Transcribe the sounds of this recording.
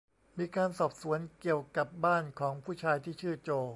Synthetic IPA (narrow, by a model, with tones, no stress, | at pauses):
miː˧kaː˧nsɔː˨˩p̚su˩˦ənki˨˩əwka˨˩p̚baː˥˩nkʰɔː˩˦ŋpʰuː˥˩t͡ɕʰaː˧jt̪ʰiː˥˩t͡ɕʰɯː˥˩t͡ɕoː˧